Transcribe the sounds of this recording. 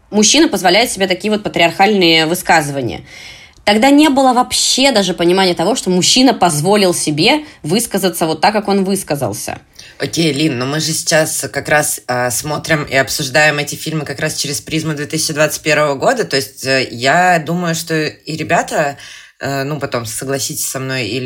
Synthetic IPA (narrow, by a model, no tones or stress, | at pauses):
mʊɕːinəpəzvɐlʲæjɪʊt̪sʲɪbʲe̞t̪ɐkʲijəvot̪̚pət̪ɾʲɪɐrxalʲnɨjəvɨskazɨvənʲɪ̰jə̰ | t̪ɐɡd̪anʲe̞bɨlˠəvɐpɕːe̞d̪aʐɨpənʲɪmanʲɪjət̪ɐvo̞ʂt̪o̞mʊɕːinəpɐzvo̞lʲɪlˠsʲɪbʲe̞vɨskəzət̪səvo̞t̪ːakːako̞nvɨskəzə̰lˠsʲə̰ | okʲejlʲinːomɨʐɨsʲɪ̥t͡ɕaskɐkɾasəsmo̞t̪ɾʲɪmḭɐpsʊʐd̪ajɪmɛtʲɪfʲilʲmɨkɐkɾast͡ɕɪɾʲɪspɾʲizməd̪vʲet̪ɨsʲɪt͡ɕɪd̪vat̪sɨt̚ʲpʲe̞ɾvəvəɡo̞d̪ət̪o̞ɪsʲtʲəjad̪uməjʊʂt̪o̞iɾʲɪbʲat̪ə | nupɐt̪o̞msəɡlˠɐsʲitʲɪ̥sʲsɐmno̞jḭ